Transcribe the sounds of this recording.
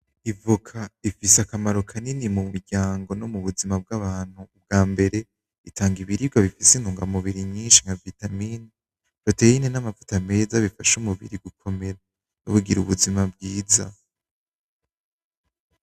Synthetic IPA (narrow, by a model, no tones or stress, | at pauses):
ivukʰaifiseakamaɾo̞kʰaninimumuɾɟaːŋɡo̞no̞muβuzimab̚ɡaβaːn̥huːb̚ɡaːmbe̞ɾe̞ | itʰaːŋɡiβiɾiɡwaβifisin̥uːŋɡamuβiɾiɲiːnʃiŋavitamini | βatejinenamavu̥tame̞ːzaβifaʃumuβḭɾiɡukʰo̞me̞ɾa | noβuɡiɾuβuzimabɡiːza